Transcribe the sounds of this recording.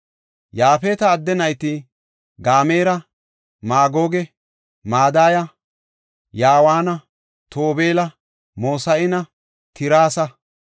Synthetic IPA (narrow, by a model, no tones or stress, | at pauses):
jaːfeːt̪ɐːd̪ːɛnɐjt̪ɪ | ɡaːme̞ːɾɐ | maːɡoːɡɛ | maːd̪aːjɐ | jaːwaːnɐ | t̪oːbeːlɐ | mo̞ːsɐʔɪnɐ | t̪ɪɾaːsɐ